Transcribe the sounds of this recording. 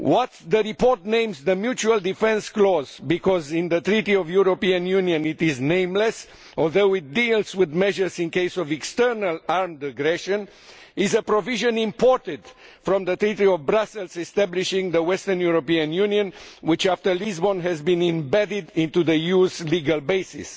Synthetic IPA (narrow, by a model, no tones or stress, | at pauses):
wɔt̪ðəɹipɔɹt̪̚nẽɪ̃mzðəmjut͡ʃuəlˠd̪ifɛ̃nsklɔzbikʰɔzɪ̃nðət̪ɾit̪iɔvjuɾopiə̃njũniə̃nit̪ɪznẽɪ̃mlɛs | ɔlˠðoʊɪt̪̚d̪ilzwɪðmɛʒə˞zĩnkeɪsɔvɛkst̪ɜ˞nəlaɹmd̪əɡɾɛʃə̃n | ɪzəpɾoviʒə̃nĩmpɔɹt̪ɪd̪̥fɾɔ̃mðət̪ɾit̪iɔvbɾasɛlzɛst̪æbliʃɪ̃ŋðəwɛst̪əɹnjuɹopiə̃njũniə̃nwɪt͡ʃaft̪ə˞lizbɔ̃nɦɛzbĩnĩmbɛdɪd̪ɪ̃nt̪uðəjuzliɡalbeɪsɪ̰s